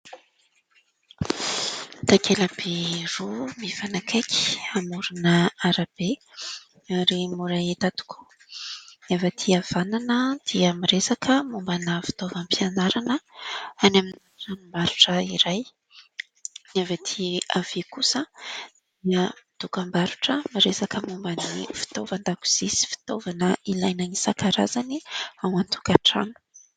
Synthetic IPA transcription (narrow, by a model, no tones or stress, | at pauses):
t̪akʰelab̥erumivanakʰakʲi̥amuɾunəaɾab̥e | aɾimuɾaet̪at̪u̥kʰu̥ | avat̪ʰiav̥ananəd̪̥iamiɾesakʰəmumbanəfi̥t̪ovampʰianaɾanəanamin | ranumbaɾuʈ͡ʂəiɾaj | navet̪ʰiav̥ekusədd̪̥iəmid̪̥ukambaɾuʈ͡ʂəmiɾesakəmumbənifi̥t̪ovand̪aku̥z̥isi̥fi̥t̪ovanəilajnənisakaɾa̰zaniawant̪ʰu̥kaʈ͡ʂa̰nu̥